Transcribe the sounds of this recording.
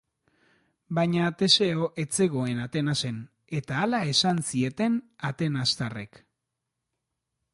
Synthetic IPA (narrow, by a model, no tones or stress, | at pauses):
baɲat̪e̞se̞oʔe̞t͡se̞ɣo̞e̞nat̪e̞nase̞n | e̞t̪aːlae̞sansie̞t̪e̞nat̪e̞nast̪are̞̰k